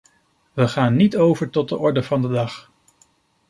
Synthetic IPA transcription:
ʋəχaːnːitowvəɹtɔt̚dəʔɔɹdəvɑndədɑχ

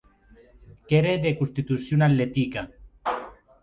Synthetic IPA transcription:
keɾeðekust̪it̪usjunalːet̪ika

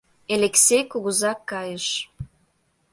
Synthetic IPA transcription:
eleksʲejkuɣuzɑkːɑjəʃ

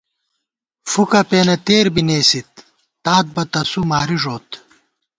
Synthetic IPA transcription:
fukɐpeːnɐt̪eːɾbineːsit̪̚ː | aːt̪̚bɐt̪ɐsumaːɾiʐoːt̪

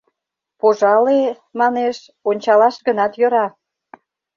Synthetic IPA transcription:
poʒɑle | mɑneʃ | onʲt͡ɕɑlɑʃɡənɑt̪jø̆ɾɑ

